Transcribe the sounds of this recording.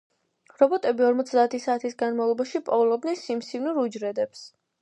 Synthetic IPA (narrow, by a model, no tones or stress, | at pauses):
ɾɔbɔt̪ʼɛbiɔɾmɔt̪sʰd̪aːt̪ʰisaːt̪ʰisɡanmavlˠɔbaʃipʼɔvɛlˠɔb̚d̪nɛnsimsivnuɾud͡ʒɾɛd̪ɛps